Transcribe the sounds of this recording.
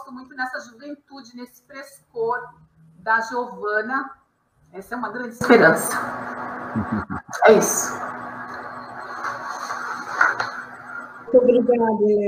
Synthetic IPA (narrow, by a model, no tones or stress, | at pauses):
st̪ʊmũj̃t̪ʊnɛsɐʒuvẽnt̪ud͡ʒɪnesɪ̥pɾeskoɾ | d̪ɐʒovɐ̃nɐ | ɛsɐɛũmɐɡɾɐ̃nd͡ʒɪispeɾɐ̃sɐ̥ | ɛisʊ̥ | t̪õbɾikonad̪o